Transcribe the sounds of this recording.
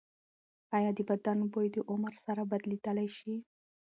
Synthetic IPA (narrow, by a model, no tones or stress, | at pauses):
ɑjɑd̪əbad̪anbojd̪əʔʊmaɾsaɾabad̪lid̪əlajʃi